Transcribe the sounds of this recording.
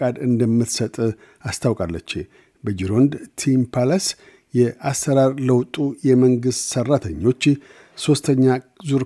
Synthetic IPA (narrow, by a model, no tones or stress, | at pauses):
ad̪ɨnd̪əmːɨt̪sət̪ʼ | ast̪ʰawkʼalːət͡ʃːe | bəd͡ʒiɾo̞nd̪t̪ʰimpʰalas | jɛʔasːəɾaɾləwt̪ʼujɛməŋɡɨst̪sərːat̪ʰəɲːo̞t͡ʃː | so̞st̪ʰəɲːazuɾ